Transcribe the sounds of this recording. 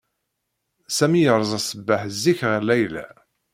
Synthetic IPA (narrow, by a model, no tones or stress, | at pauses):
sæmijəɾˤzˤæsəbːaħzːiçʁəlːæjlæ̰